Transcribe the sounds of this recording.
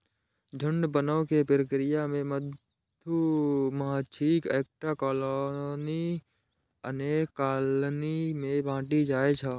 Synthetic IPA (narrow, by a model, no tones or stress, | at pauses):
d͡ʒʱəɳɖbənəʊkepɾəkɾɪjamẽməd̪ʱ | juməɦat͡ʃʰiːkeːk̚ʈɾakɔːloni | ə̰neːkːaːlnimẽbãːʈid͡ʒaːet͡ʃʰa